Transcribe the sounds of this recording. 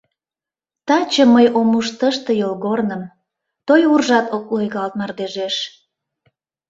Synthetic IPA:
t̪ɑt͡ɕəməjomuʃt̪əʃt̪ɤ̆jolɣornəm | t̪ojurʒɑt̪ok̚lojɣɑlt̪̚nɑrd̪eʒeʃ

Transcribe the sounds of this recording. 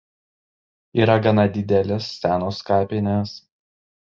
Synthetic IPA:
iːɾɐɡɐnɐd̪ʲɪd̪ʲɛlʲɛsːʲæːnoːskɑːpʲɪnʲɛs

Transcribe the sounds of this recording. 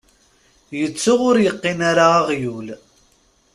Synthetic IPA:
jət͡sːʊʁʊɾjəqːɪnaɾaːʁjul

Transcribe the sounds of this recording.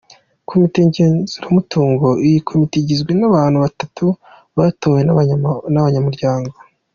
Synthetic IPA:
kʰo̞mite̞ɲɟe̞ːnzuɾamutʰuːŋɡo̞ijikʰomiteɟizɡwenaβaːn̥huβatatʰu | βatoːwennaβaɲamuɾɟaːŋɡo̞

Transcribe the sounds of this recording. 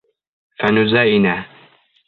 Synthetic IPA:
fanʊzaːʔɪnaː

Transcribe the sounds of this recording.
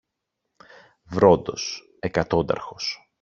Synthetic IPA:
vɾo̞d̪o̞s | e̞kɐt̪o̞d̪ɐ̰ɾxo̞s

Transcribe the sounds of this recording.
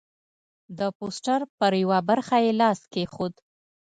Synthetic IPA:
d̪əposʈaɾpəɾjawabaɾxajelɑskexod̪

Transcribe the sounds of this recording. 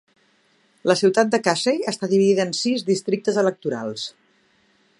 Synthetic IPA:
ləsiwt̪at̪̚d̪əkasejəst̪aðiβiðiðəːnsizðist̪ɾik̚t̪əzələk̚t̪uɾa̰lˠs

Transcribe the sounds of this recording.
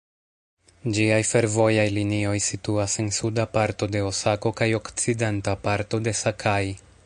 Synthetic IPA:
d͡ʒiajfe̞ɾvo̞jajlinio̞jsituase̞nsudapaɾto̞de̞osako̞kajo̞kt͡side̞ntapaɾto̞de̞sakʰaj

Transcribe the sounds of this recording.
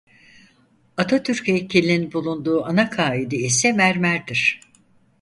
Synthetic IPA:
at̪ʰat̪ʰyɾcecʰilʲininbulˠund̪uːanakʰaːid̪iisɛmæɾmæɾd̪iɾ̥

